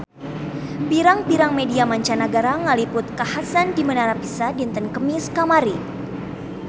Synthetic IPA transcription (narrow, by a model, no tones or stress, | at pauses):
biɾaŋbiɾaŋmediamaɲt͡ʃanaɡaɾaŋalipʊt̪̚kahasandimənaɾapisadint̪ənkəmiskamaɾi